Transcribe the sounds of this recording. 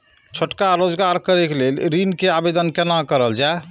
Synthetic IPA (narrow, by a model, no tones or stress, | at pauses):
t͡ʃʰoʈkaɾod͡ʒɡaɾkəɾekelelɾinkeabed̪ənkenakəɾəld͡ʒae